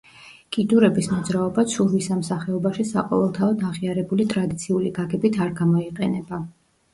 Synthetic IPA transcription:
ɡ̥ʼid̪uɾɛbismɔd̪zɾaɔbat̪sʰuɾwisamsaχɛɔbaʃisaqʼɔ̰vɛlˠt̪ʰaɔd̪aʁiaɾɛbulit̪ʼɾad̪it̪sʰiuliɡaɡɛbit̪ʰaɾɡamɔiqʼɛnɛba

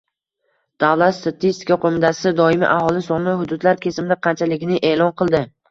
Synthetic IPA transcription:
d̪̥avlˠat̪st̪ʰat̪ʰist̪ɪ̥kaqʰomɪt̪ʰasɪd̪ɒɪmɪ̰ʔahɒlˠɪsɒnɪhʊd̪ʊd̪laɾkʲʰe̞sɪmd̪aqʰɑnt͡ʃʰalɪɡʲɪnɪʔeːlˠɒnqʰɨlˠd̪ɪ

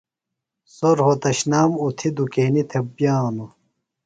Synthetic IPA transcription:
soɾhot̪ɐɕnaːmut̪ʰid̪ukeːnit̪ʰebjaːnu

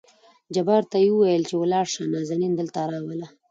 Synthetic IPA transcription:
d͡ʒabɑɾt̪ajiwəwajəlt͡ʃewəlɑɾʂanɑzanind̪əlt̪aɾɑwəla

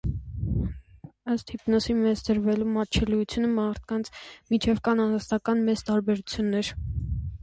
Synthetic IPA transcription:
əst̪hipnɔsinvɛt͡sd̪əɾvɛlumɑt͡ʃʰɛlujut͡sʰjunəmɑɾt̪̚ʰkɑnt͡sʰmit͡ʃʰɛvkɑnɑnɑst̪ɑkɑnmɛzt̪ɑɾbɛɾut͡sʰjunːɛɾ

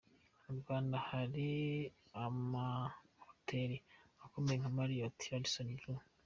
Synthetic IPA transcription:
uɾɡaːndahaɾi | amahotʰeɾiakomejeŋamaɾijotʰi̥alisonium

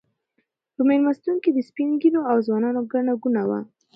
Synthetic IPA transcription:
pəmelmast̪uŋkid̪əspinɡiloawzwɑnɑnoɡaɳaɡunawa̰

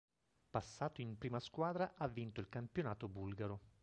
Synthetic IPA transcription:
pasːaːt̪oimpɾiːmaskwaːd̪ɾaʔavːint̪oilkampjonaːt̪obulɡaɾo

